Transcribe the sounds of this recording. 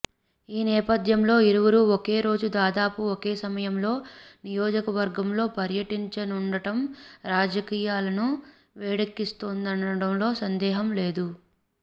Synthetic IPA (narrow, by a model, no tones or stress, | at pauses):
iːnɛːpɐd̪ʱjɐmlo̞ːiɾuʋɐɾuokeːɾo̞ːd͡ʒud̪aːd̪aːpuokeːsɐmɐjɐmlo̞ːnijoːd͡ʒɐkɐʋɐɾɡɐmlo̞ːpɐɾjɐʈiɲt͡ʃɐnuɳɖɐʈɐmɾaːd͡ʒɐkiːjaːlɐnu | ʋɛːɽɐkːist̪ond̪ɐnɐɽɐmlo̞ːsɐnd̪ɛːɦɐmle̞ːd̪u